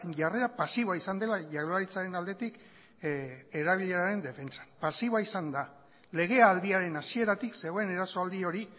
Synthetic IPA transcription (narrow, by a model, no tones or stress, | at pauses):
ʝare̞ɾapasiβaisand̪e̞laʝaɣoaɾit͡saɾe̞nald̪e̞t̪ik | e̞ɾaβiʎeɾaɾe̞nd̪e̞fe̞nt͡sḁnpasiβaisand̪a | le̞ɣ̞e̞ald̪iaɾe̞nasie̞ɾat̪ikse̞ɣo̞e̞ne̞ɾaso̞ald̪io̞ɾi